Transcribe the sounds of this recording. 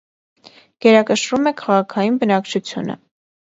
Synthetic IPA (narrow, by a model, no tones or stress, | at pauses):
ɡ̥ɛɾɑkəʃɾumɛkʰɑʁɑkʰɑjinbənɑkt͡ʃʰut͡sʰjṵnə̰